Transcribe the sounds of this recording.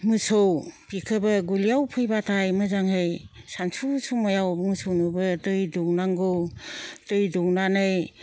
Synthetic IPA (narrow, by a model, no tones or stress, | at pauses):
mɯsowpikʰɯbɯɡulijawpʰɯjbatʰajməzaŋhɯjsansʰusumajawmɯsʰownɯbɯdɯjduwnaŋɡɯwd̥ɯjduwnanɯj